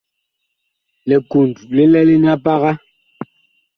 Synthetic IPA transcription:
lɛ˨ku˨n˨du˨le˦lɛ˦le˦n˦a˦pa˦ɣa˦

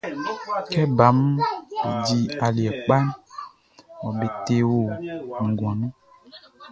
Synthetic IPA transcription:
kɛ˦ba˨˦m˦bḛ˨d͡ʒi˦a˨li˨ɛ˨k͡pa˦n | wɔ̃˨be˨t̪e˦wo˦ŋ̩˨ɡɔ̃˨nũ˦

